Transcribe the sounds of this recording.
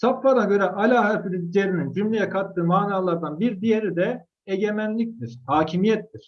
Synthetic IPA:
sapfanaɟø̞ɾɛʔalʲaːɦæɾfid̪id͡ʒeɾinind͡ʒymlʲejɛkʰat̪ːɯːmaːnaːlˠaɾd̪anbiɾd̪ijeɾid̪ɛ | eɟe̞mænlʲic̚t̪iɾ̥haːcʰimijɛt̪ːiɾ̥

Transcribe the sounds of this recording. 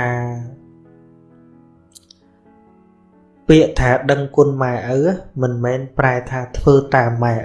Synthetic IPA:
aː | piəʔt̪ʰaːɗəŋkʊ̆ənmaɛʔəwamɨnmɛːnpraɛt̪ʰaːt̪ʰʋəːt̪aːmːaɛʔ

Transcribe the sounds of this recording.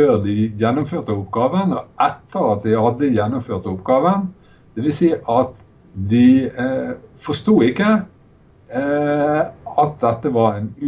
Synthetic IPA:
øːʁd̪ɪjɛnːʊmføːʁt̪əʊpɡɑːʋənɔʔɛt̪ʰːəɾɑt̪̚d̪ɪhɑd̪ːəjɛnːʊmføːʁt̪ʊpɡɑːʋən | d̪̥ɛʋɪlsiːʔɑt̪ | d̪ɪ | fɔst̪uːɪkːə | ɑt̪̚d̪ɛt̪ːəʋɑɾæɪnʉ

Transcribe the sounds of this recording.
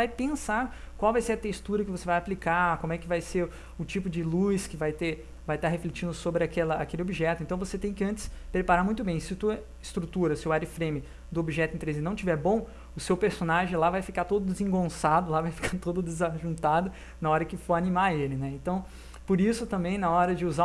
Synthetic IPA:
vajpẽsaɾ | kwawvajseɾɐt̪est̪uɾɐkɪvosevajaplikakomʊɛkɪvajseɾ | ʊt͡ʃipʊd͡ʒɪlujskɪvajt̪e | vajt̪aɦeflet͡ʃĩnd̪ʊsobɾɪakɛlɐakelɪobiʒɛt̪ʊẽnt̪w̃voset̪ẽj̃kɪɐ̃nt͡ʃ̪ɪ̥spɾepaɾaɾmũj̃t̪ʊbẽj̃sɪt̪uɐ | ɪst̪ɾut̪uɾɐsɪʊaɾɪfɾẽmɪ | d̪ʊobiʒɛt̪ʊɪẽt̪ɾezɪnɐ̃w̃t͡ʃivɛɾbõw̃ | ʊsewpeɾsonaʒẽlavajfikaɾt̪od̪ʊd̪ɪzẽŋɡõsad̪ʊlavajfi̥kaɾt̪od̪ʊd̪ɪzaʒũt̪ad̪ʊ | nɐɔɾɐkɪfoanimaelɪnɛẽnt̪ɐ̃w̃ | poɾisʊt̪ɐ̃mbẽj̃nɐɔɾɐd͡ʒɪuza

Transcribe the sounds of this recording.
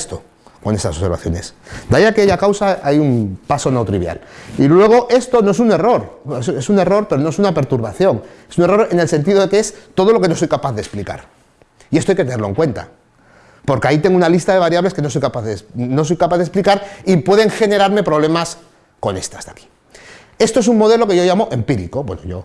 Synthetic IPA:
st̪o | ko̞ne̞st̪aso̞βseɾβa̰θjo̞ne̞̰sd̪ajakeaʝakawsaajumpaso̞nowt̪ɾiβja̰lilwe̞ɣ̞oʔe̞st̪o̞no̞es̬une̞ro̞ɾesesune̞ro̞ɾpe̞ɾo̞no̞esunape̞ɾt̪uɾβaθjo̞ŋesune̞ro̞ɾe̞ne̞lse̞nt̪iðo̞ðekeest̪o̞ð̞o̞lo̞ke̞no̞so̞jkapaθðe̞splika̰ɾ | iest̪ajket̪neloeŋkwe̞nt̪a̰ | po̞ɾkeait̪e̞ŋɡounalist̪aðeβaɾjaβle̞ske̞no̞s̬ojkapaðesno̞so̞jkapaðe̞splikaɾipwe̞ðe̞ŋxe̞ne̞ɾaɾme̞pɾo̞β̞le̞mas | ko̞̰ne̞̰st̪asðaki̥ | e̞st̪o̞es̬ummo̞ðe̞lo̞ke̞ʝo̞ʝamoʔe̞mpiɾḭko̞bweno̰jo̞̰

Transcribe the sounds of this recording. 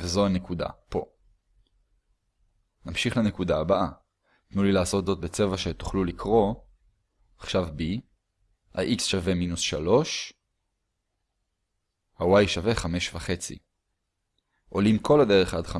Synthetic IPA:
vezo̞ane̞kud̪a̰po̞ | namʃiχlane̞kudaːbaʔa | t̪nulilaːso̞t̪zo̞t̪̚bet͡se̞vaʃe̞t̪u̥χlulikʰʁo̞ | aχʃavbi | ha̰ʔiksʃave̞minusʃalo̞ʃ | hawajʃave̞χame̞ʃvaχe̞t͡sḭ | ʔo̞limkʰo̞lad̪e̞ʁeχad̪χa

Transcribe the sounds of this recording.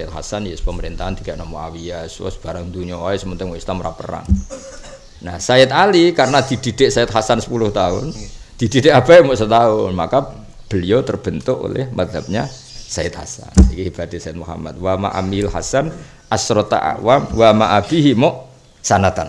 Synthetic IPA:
aɪt̪̚ha̰sanjɛspəməɾint̪aɦant̪iɡaʔnɔmɔawiaswɔ̰sb̥aɾaŋd̪uɲɔaisəmənt̪ʊŋwɔislamɾapəɾa̰ŋ | nahsaɪt̪alikaɾənad̪̥idid̥eʔsaɪt̪̚hasansə̥pulʊht̪aʊ̰nd̪̥idideʔab̥amɔʔsət̪aʊnma̰ka | b̥əliot̪ərb̥ənt̪ʊʔo̰lɪ̰hmad̪lap̚ɲa | saɪt̪̚ha̰sa̰nikihib̥at̪isaɪt̪̚muɦa̰ma̰t̪̚wama̰ʔa̰milhasan | ʔasɾot̪a̰ʔa̰wamwamaʔab̥iɦimɔʔ | sanat̪an

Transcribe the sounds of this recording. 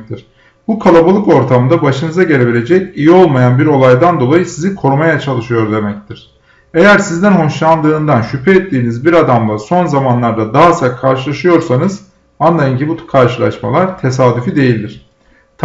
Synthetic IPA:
t̪ʰiɾ̥ | bukʰalˠabalˠɯko̞ɾt̪ʰamɯnd̪abaʃɯnɯzaɟe̞ɾʲe̞bilʲe̞d͡ʒɛcijio̞lˠmajanbiɾo̞lˠajd̪and̪o̞lˠajɯsizikʰo̞ɾumajat͡ʃʰalˠɯʃɯjo̞ɾd̪e̞mɛc̚t̪ʰiɾ̥ | e̞jæɾsizd̪ænɦo̞ʃlˠand̪ɯːnd̪anʃypʰɛɛt̪ːiːnizbiɾad̪amlˠaso̞nzamanlˠaɾd̪ad̪aɦasakʰaɾʃɯlˠaʃɯjo̞ɾsanɯz | anlˠajɯncibukʰaɾʃɯlˠa̰ʃma̰lˠaɾt̪ʰe̞saːd̪ifid̪e̞jilʲd̪iɾ̥ | t̪ʰ

